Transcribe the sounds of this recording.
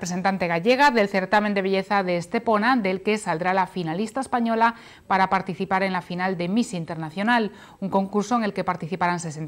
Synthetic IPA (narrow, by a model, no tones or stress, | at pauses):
pɾee̞nt̪ant̪e̞ɣ̞aʝe̞ɣ̞aðe̞lθe̞ɾt̪amẽnd̪eβ̞eʎe̞θaðe̞ːst̪e̞po̞nad̪e̞lke̞sald̪ɾalafinalist̪aespaɲo̞la | paɾapaɾt̪iθipaɾe̞nlafinald̪emisiint̪e̞ɾnaθjo̞nal | uŋko̞ŋkuɾso̞eŋe̞lke̞paɾt̪iθipaɾansesen